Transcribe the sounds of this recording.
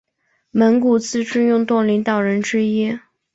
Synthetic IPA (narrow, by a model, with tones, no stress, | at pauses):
mə˧˥nku˨˩t͡sɹ̩˥˩ʈ͡ʂɻ̩˥˧jʊ˥˧ŋt̪wɔ˥˩ŋli˧˥ŋt̪ɑ˨˩ʊɻə˧˥nʈ͡ʂɻ̩˥i˥